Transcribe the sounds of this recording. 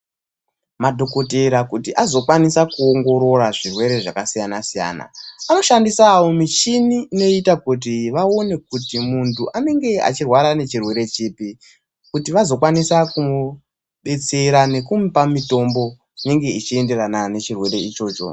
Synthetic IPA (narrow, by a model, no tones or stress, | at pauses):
madʱo̞ko̞teɾakutiʔazo̞kwanisakuoŋɡo̞ɾo̞ɾaʐirwe̞ɾe̞ʐakasijanasija̰ːna̰ano̞ʃandisaːwomit͡ʃiniːno̞itakut̬iʋao̞ne̞k̚utimuntʰuʔane̞ŋɡe̞a̰t͡ʃirwaɾane̞t͡ʃirwe̞ɾe̞t͡ʃiːpi | kutiʋazo̞kwanisaku | ɓe̞t͡se̞ɾane̞kumipamito̞mbo̞ | ine̞ŋɡe̞it͡ʃie̞nde̞ranane̞t͡ʃirwe̞ɾe̞it͡ʃo̞ːt͡ʃo̞̰